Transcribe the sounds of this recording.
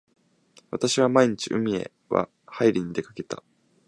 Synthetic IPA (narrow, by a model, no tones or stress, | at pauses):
βat̪aɕiβamaiɲ̟it͡ɕiʔɯ̟mʲie̞ | βa̰ | haiɾʲiɲ̟id̪e̞kake̞t̪a̰